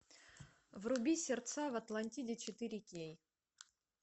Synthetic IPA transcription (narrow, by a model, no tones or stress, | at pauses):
vrʊbʲisʲɪrt̪savɐt̪lˠɐnʲtʲidʲɪt͡ɕɪt̪ɨɾʲɪkʲej